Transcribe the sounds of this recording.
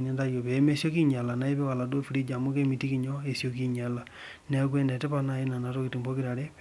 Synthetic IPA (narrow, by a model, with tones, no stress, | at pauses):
ɲɛ˦nda˦jo˨pe˨˦me˦sjo˦ki˦ɲa˨la˨na˦i˦pɛ˦wa˨la˨do˦fi˨ɾi˦d͡ʒa˨mʊ˦ke˦mi˨ti˦ki˨ɲo˦e˨sjo˦ki˦ɲa˨la˨ | nɛ˦kwe˦ndɛ˨tɛ˦pa˦na˦˨i˦na˨na˨to˦ki˨ti˨mbo˦ki˦ɾa˨ɾe˦